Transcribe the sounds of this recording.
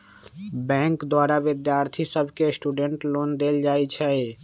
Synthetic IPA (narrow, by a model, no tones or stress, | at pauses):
bɛ̃ŋkd̪waɾabid̪jaɾt̪ʰisəbʱkesʈuɖeɳʈlond̪eld͡ʒajt͡ʃʰɛ